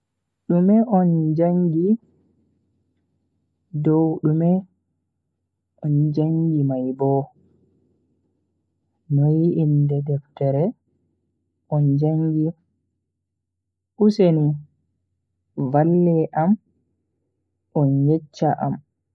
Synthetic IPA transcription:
ɗumɛʔɔnd͡ʒaŋɡi | dɔwɗumɛ | ʔɔnd͡ʒaŋɡimajbɔ | nɔjiindɛdɛftɛɾɛ | ʔɔnd͡ʒaŋɡi | ʔuseni | valːɛʔam | ʔɔnjɛt͡ʃːaʔa̰m

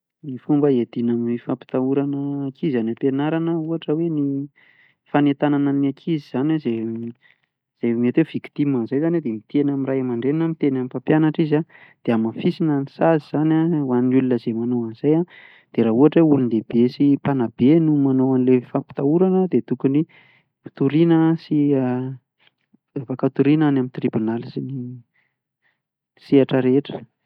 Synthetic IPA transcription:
nifumbəed̪inamiifapi̥t̪auɾanəːkʰizanapenaɾanəuɦaʈ͡ʂəweni | fanet̪ananəniakʰiziz̥anaze | z̥emet̪wev̥ikt̪imanzajzaned̪emit̪enamirajamaɳɖ͡ʐeninamit̪enamifapjanaʈ͡ʂizad̪̥eamafisinanisaziz̥anawaninulunəzemanowanz̥aja | d̪̥eɾaɦuaʈ͡ʂeulunlebesipanabenumanoanlefampi̥t̪auɾanəd̪et̪ukuni | fi̥t̪uɾinəsia | fakat̪uɾinanamint̪ribunalisini | siaʈ͡ʂəɾeʈ͡ʂə̥

